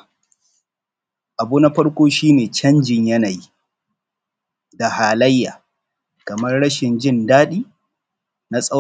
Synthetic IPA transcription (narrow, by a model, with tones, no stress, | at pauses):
ʔa˨buː˦na˦ɸɐ˦ɽkʷoː˦ʃiː˦neː˨t͡ʃɐ˦nd͡ʒɪ˨ɲjɐ˦na˨ji˦ | da˨haː˨lɐ˦jːaː˨ | kɐ˨mɐ˦rɽɐ˦ʃɪ˨nd͡ʒɪ˦˨ndaː˦ɗiː˦ | na˦sʼɐ˦